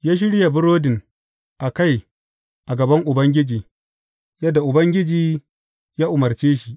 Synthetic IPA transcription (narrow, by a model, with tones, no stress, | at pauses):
jaː˦ʃ̬ɪ˦ɽja˨bʊ˦ɾoː˦dɪ˨n | ʔa˨ka˦˨j | ʔa˨ɡɐ˨bɐ˦ŋʔʊ˨bɐ˦ŋɡʲɪ˦d͡ʒiː˨ | jɐ˦dːa˨ʔʊ˨bɐ˦ŋɡʲɪ˦d͡ʒiː˨ | jaː˦ʔʊ˨mɐ˨rt͡ʃeː˦ʃi˨ʔ